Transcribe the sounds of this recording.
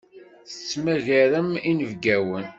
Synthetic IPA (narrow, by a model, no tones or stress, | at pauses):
θə̥t͡sːmæʝæɾəminəvɡæwən